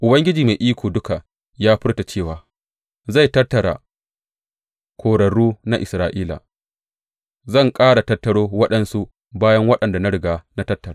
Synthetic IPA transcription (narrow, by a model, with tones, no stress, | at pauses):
ʔʊ˨bɐ˦ŋɡʲɪ˦d͡ʒiː˨ma˨jʔiː˦kʷoː˨dʊ˦ka˨ | jaː˦ɸɪ˦rta˨t͡ʃeː˦˨waː˨ | za˦˨jtɐ˦tːɐ˨ɽa̰˨ | kʷʰoː˨ɽɐ˨ɽuː˦na˦ʔɪ˨sɾaː˨ʔiː˦la̰˨ | zɐ˦˨ŋkʼaː˦ɽa˨tɐ˦tːɐ˦ɽoː˦wɐ˦ɗɐ˦nsu˦ | baː˦jɐ˦ŋwɐ˦ɗɐ˨nda˨na˦ɽɪ˨ɡaː˨na˦tɐ˦tːɐ˨ɾa˨